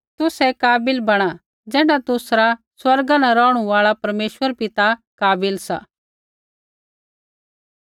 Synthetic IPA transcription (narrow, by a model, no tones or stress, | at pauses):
t̪ʊsɛkaːbɪlbɐɽ̃a | d͡ʒɛːnat̪ʊsɾa | swɐɾɡanaɾɔ̃ːɽ̃ũʋaːɭapɐɾmeːʃwəɾpɪt̪akaːbɪlsa̰ː